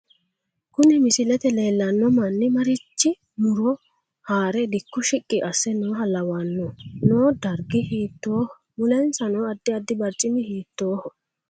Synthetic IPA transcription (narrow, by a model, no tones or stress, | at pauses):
kʊnɛmɪsɪlɛt̪ɛle̞ːlːɐnːɔmɐnːɪmɐɾɪt͡ʃːɪ | mʊɾɔ | haːɾɛd̪ɪkːʊʃɪkʼːɪʔɐsːɛnoːɦɐlɐwanːoːnoːd̪ɐɾɡɪhiːt̪ːoːhɔ | mʊlɛnsɐnoːɐd̪ːɪɐd̪ːɪbɐɾt͡ʃʼːɪmɪhiːt̪ːoːhɔ